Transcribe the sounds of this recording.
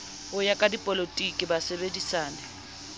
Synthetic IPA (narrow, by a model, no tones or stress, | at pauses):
ʊjakʼadipʼolotʼikʼɪbasebedisaːnɛ